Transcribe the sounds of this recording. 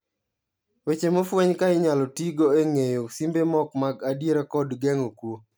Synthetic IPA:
wet͡ʃemofwɛɲkaɪɲalɔtiɡoeŋejosimbemɔkmaɡadjeɾakɔdɡɛŋokwo

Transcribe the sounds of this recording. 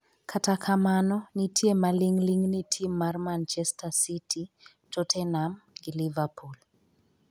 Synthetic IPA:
kʰatakʰamanɔnitʰjemaliŋliŋnitʰimːarmant͡ʃɛstasitʰi | tɔtʰɛnamɡilivapʰul

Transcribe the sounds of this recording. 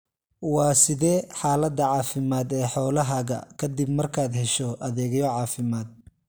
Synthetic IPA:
wɑːsɪðɛːħaːlɐd̪ɐʕɑːfɪmaːd̪ɛːħɔːlɐɦɐɣɐ̰kʰɐd̪ɪbmɐrkʰaːd̪ɦɛʃɔʔɐðɛːɣɛjɔʕɑːfɪmaːd̪̚

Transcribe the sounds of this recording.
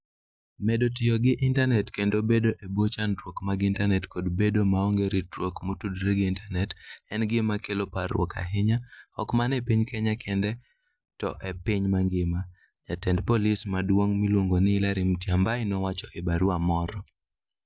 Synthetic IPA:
mɛdotɪjɔɡɪʔɪntanɛtkendobedoʔebot͡ʃantwokmaɡɪntanɛtkodbedomaoŋɡeɾitwokmotudɾeɡɪintanɛtɛnɡɪmakeloparwɔ̰ka̰ɦɪɲaɔkmanɛpiɲkʰɛɲakʰɛndɛ | tɔ̰ʔepiɲmaŋɡɪma | ɲatɛndpolismadwoŋmilwoŋɡonɪlaɾɪmtjambaɪnɔwat͡ʃɔʔebaɾwamɔɾɔ

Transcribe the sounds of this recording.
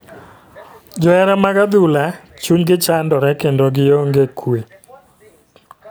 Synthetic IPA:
d͡ʒɔɛɾɛmaɡad̪ulat͡ʃuɲɡɪt͡ʃandɔɾɛkendoɡɪjoŋɡekʰwe

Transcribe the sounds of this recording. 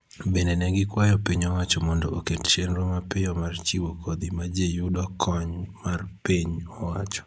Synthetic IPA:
bendenɛɡɪkwajɔpiɲɔwat͡ʃɔmɔndɔokett͡ʃenɾomapɪjɔmart͡ʃiwokʰod̪imad͡ʒejudɔkʰɔɲmarpiɲɔwat͡ʃɔ̥

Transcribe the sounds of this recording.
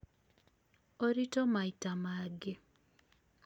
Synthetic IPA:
oɾitɔmaitamaɡɪ

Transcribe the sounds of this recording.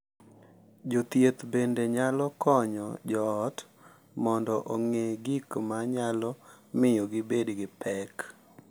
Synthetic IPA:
d͡ʒot̪jet̪bendeɲalɔkɔɲɔ̰d͡ʒɔːt | mɔndɔʔoŋeɡikmaɲalɔ | mɪjoɡɪbedɡɪpʰɛk

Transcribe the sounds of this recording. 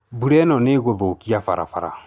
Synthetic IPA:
buɾɛnɔ̃neɡoðokiafa̰ɾa̰faɾa̰

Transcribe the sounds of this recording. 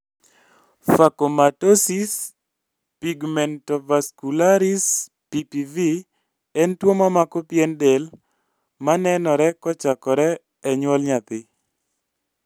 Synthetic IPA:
fakomatosis | piɡmɛntɔvaskulaɾis | pipivi | ɛntwomamakɔpjendel | manɛnɔɾɛkɔt͡ʃakɔɾɛː | ɲwɔlɲat̪ɪ

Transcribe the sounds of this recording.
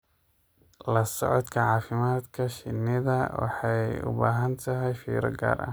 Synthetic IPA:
lɐsɔʕɔd̪kʰɐʕɑːfɪmaːd̪kʰɐʃɪnːɪðɐwɑ̰ħɑjʊ̰baːɦɐnt̪ʰɐɦɛjfḭːɾɐ̰ɡa̰ːɾʔɐ̰

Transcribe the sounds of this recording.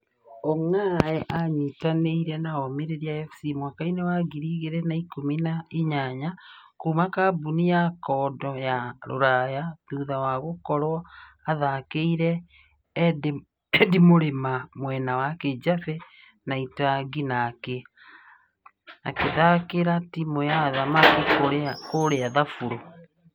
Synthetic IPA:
ɔŋaɛʔaɲitaneiɾɛnaɔmeɾeɾiaɛfsimwakainewaɡiɾiɣeɾɛnaikominaiɲaɲakuːmakabunijakɔːdɔjaɾo̰ɾajaðuːðawaɣokɔɾwɔaðakeiɾɛː | d | dimoɾemamwɛnawaked͡ʑafɛ | naitaɡinakɛ | a̰keðakeɾatimojaðamakikokoɾeaðafuɾo

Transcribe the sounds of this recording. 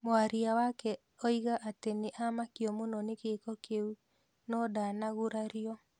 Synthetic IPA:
moaɾiawakɛ | ɔiɣaʔateneʔamakjɔmonɔnekekɔkeu | nɔdanaɣuɾaɾiɔ

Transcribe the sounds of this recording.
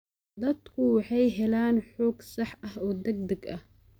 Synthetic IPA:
d̪ɐd̪kʰʊwɑħɑjɦɛlaːnħoːɡsɑħʔɐhɔːd̪ɐɡ̚d̪ɐɡʔɐh

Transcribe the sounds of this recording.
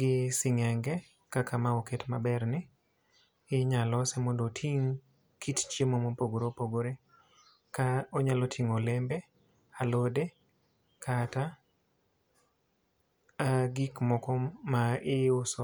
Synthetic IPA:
ɡɪsɪŋɛŋɡɛ | kakamaoketmabɛrnɪ | ɪɲalɔsɛmondotʰiŋ | kʰitt͡ʃjemomopoɡoɾopoɡoɾe | kaoɲalotʰiŋolembe | alode | kʰata | ɡikmɔkɔmːaɪʊsɔ

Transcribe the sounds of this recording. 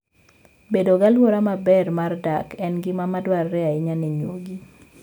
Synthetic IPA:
bedoɡalwoɾamabɛrmardakɛnɡɪmamadwarːɛaɪɲanɛɲwo̰ɡi

